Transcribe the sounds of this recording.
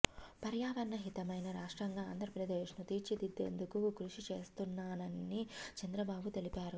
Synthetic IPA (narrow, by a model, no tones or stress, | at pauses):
pɐɾjaːʋɐnːɐɦit̪ɐmɐjnɐɾaːʂʈɾɐŋɡaːnd̪ʱɾɐpɾɐd̪eːʂnut̪iːɾt͡ʃid̪id̪ːḛːnd̪ukukɾuʂit͡ʃe̞ːst̪unːaːnɐnːit͡ʃɐnd̪ɾɐbaːbut̪e̞lipaːɾu